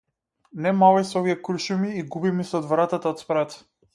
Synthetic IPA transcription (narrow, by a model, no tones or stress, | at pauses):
nɛmavajsɔviɛkuɾʃumiːɡubimisɛɔd̪vɾat̪at̪aɔt̪spɾat̪